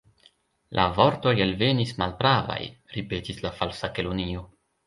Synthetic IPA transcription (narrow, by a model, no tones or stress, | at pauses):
lʔa̰vo̞ɾto̞jalve̞nismalpɾava̰jɾipe̞tislafalsakelonio̞